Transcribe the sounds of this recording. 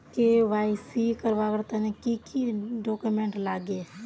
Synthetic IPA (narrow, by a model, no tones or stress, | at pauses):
keʋaːɪsikəɾʋaːkəɾt̪anẽkikiɖoːkumẽːɳʈlaːɡeː